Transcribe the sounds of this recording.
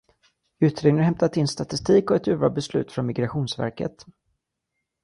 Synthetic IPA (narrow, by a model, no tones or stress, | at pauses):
ʉ̟ːt̪ɾeːɡnəɦɛmt̪at̪ʰɪnst̪at̪ɪst̪iːkɔɛt̪ʉ̟ːvɑ̰ːbɛslʉ̟̰ːt̪fɾɔnmɪɡɾaɧuːnsvæ̰ɾkə̰t̪